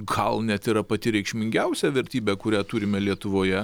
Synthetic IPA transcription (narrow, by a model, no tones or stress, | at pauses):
ɡɐlˠnʲɛt̪iːɾɐpɐt̪ʲɪɾʲɛɪkʃʲmʲɪŋʲɡʲɛʊsʲɛʋʲɛɾʲt̪ʲiːbʲɛːkʊɾʲæːt̪uːɾʲɪmʲɛlʲiɛt̪ʊʋoːjɛ